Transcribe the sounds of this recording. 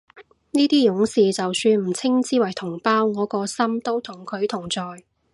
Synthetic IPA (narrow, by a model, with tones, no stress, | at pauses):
niː˥t̪iː˥jʊ˨˥ŋsiː˨t͡sɐ˨wsyː˧nm̩˨˩t͡sʰɪ˥ŋt͡siː˥wɐ˨˩jt̪ʰʊ˨˩ŋpaː˥wŋɔː˨˧kɔː˧sɐ˥mt̪o˥wt̪ʰʊ˨˩ŋkʰɵ˨˧ɥt̪ʰʊ˨˩ŋt͡sɔː˨j